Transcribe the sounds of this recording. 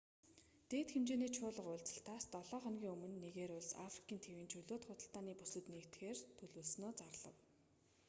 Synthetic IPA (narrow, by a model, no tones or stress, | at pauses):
t̪eːt̪xemt͡ɕeːniːt͡ɕʰʊːɮə̆qʊːɮt͡sə̥̆ɬt̪ʰaːst̪ɔɮɔːχɔnɣʲiːŋɵmɵ̆nːeɣeːɾʊɮsa̰fri̥kʰʲiːnt̪ʰewiːnt͡ɕʰɵɮoːt̪χʊːt̪ə̆ɬt̪aːniːpusɵ̆t̪nekt̪xeːrt̪ʰɵɮuːɮsnoːt͡sarɮə̰̆w